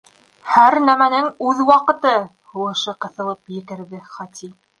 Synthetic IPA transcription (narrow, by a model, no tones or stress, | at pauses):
hæɾnæmænɘŋʉðwɑqɤ̆t̪ɤ | huwɤ̆ʃɤqɤ̆θɤ̆lˠɤpjɘ̆kɘ̆ɾðɘχæt̪i